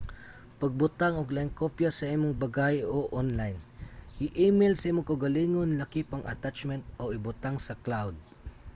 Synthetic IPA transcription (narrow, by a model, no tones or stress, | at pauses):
pɐɡ̚bʊt̪aŋoɡlaɪŋkopjasɐʔimʊŋbɐɡajoʔonlajnʔɪʔimelsɐʔimʊŋkɐwɡɐliŋonlɐkipɐŋʔɐ̰t̪at͡ʃmɛnt̪̚oʔɪbʊt̪aŋsɐklawd̪̚